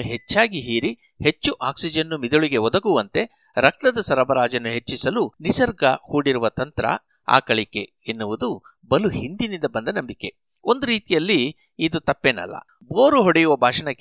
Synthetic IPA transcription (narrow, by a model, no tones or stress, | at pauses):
uɦet͡ʃːaːɡiɦiːɾi | he̞t͡ʃːuʔaːksid͡ʒɐnːumid̪oɭiɡe̞ɔd̪ɐɡuʋɐnt̪e̞ | ɾɐk̚t̪ɐd̪ɐsɐɾɐbɐɾaːd͡ʒɐnːuɦe̞t͡ʃːisɐlunisɐɾɡɐhuːɽiɾuʋɐt̪ɐnt̪ɾɐ̰ | a̰ːkɐɭikːe̞ | enːuʋud̪u | bɐluhind̪inind̪ɐbɐnd̪ɐnɐmbike̞ | ond̪uɾiːt̪ijɐlːiː | d̪ut̪ɐpːeːnɐ̰lːɐ̰ | boːɾuɦoɽejuʋɐbʱaːʂɐɳɐkː